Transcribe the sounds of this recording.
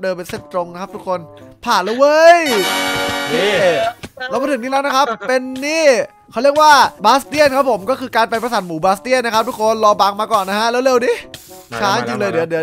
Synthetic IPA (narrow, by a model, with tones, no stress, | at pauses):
dɤː˧mpe˧nse˥˩p̚t̪ɾo˧ŋn˦˥kʰa˦˥p̚t̪u˥kʰːo˧npʰaː˨˩nla˦˥˩wɤ˦˥j | lɛː˧˥˩wma˧t̪ʰɯ˩˦niː˥lɛː˦˥wna˦˥kʰa˦˥pːe˧nːiː˥˩ | kʰa˧˥˩wli˥˩ək̚waː˥˩baː˦˥st̪i˥˩ənkʰa˦˥pʰːo˩˦mkɔː˥˩kʰɯː˧kaː˧npa˧jpɾa˧saː˩˦nmuː˩˦baː˦˥st̪i˥˩ənːa˦˥kʰa˦p̚t̪ʰu˦˥kʰo˧nlɔː˧baː˧ŋmaː˧kɔː˨˩nːa˦˥kʰa˦˥lɛ˦˥wle˧wniː˧˥˩t͡ɕʰaː˦˥njɯː˧lɤː˧jdɯ˩˦dɯ˩˦